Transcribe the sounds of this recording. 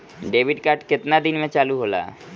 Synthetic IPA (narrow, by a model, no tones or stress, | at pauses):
ɖeːbʱiɖkaɾʈkɪt̪nad̪inmẽt͡ʃaːluɦola̰